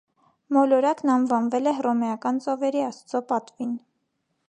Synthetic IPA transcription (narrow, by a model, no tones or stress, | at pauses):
mɔlɔɾɑknɑnvɑnvɛlɛɦrɔmɛjɑkɑnt͡sɔvɛɾiɑst͡sʰɔpɑt̪vin